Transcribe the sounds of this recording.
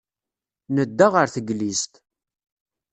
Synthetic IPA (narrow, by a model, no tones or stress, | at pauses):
nəd̪ːaʁəɾθəɡlist̪